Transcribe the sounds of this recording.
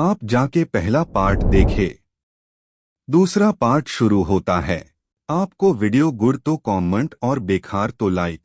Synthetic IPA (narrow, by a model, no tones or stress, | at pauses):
aːpd͡ʒaːkepɛɦlapaːɾʈd̪eːkʰeː | d̪uːsɾapaːɾʈʃʊɾuɦoːt̪aɦɛː | aːp̚koʋɪɖijoɡʊɽt̪okɔːmẽɳʈɔːɾbeːkʰaːɾt̪olaːɪk